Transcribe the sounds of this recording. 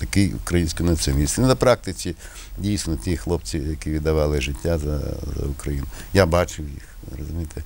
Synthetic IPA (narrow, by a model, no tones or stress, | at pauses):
t̪ɐkɪjʊ̰kɾɐjinʲsʲkʊnɐsʲiɔnʲisʲt̪ʲnʲnɐpɾɑk̚t̪ɪt͡sʲi | dʲijsʲnɔtʲixlˠɔpt͡sʲijɐkʲiʋʲid̪ɐʋɑlˠɪʒɪtʲːazɐ̰zɐ̰ʊkɾɐjinʊjabɑt͡ʃɪwjḭxrɔzʊmʲijt̪ʰe